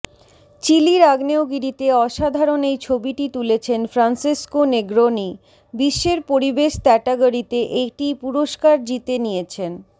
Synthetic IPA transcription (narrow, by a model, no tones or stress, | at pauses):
t͡ɕiliɾaɡneoɡiɾit̪eɔʃad̪ʱaɾonejt͡ɕʰobiʈit̪ulet͡ɕʰenfɾansiskoneɡɾoni | biʃːeɾpoɾibeʃt̪ɛʈaɡoɾit̪eʔeʈipuɾoʃkaɾd͡ʑit̪enijet͡ɕʰen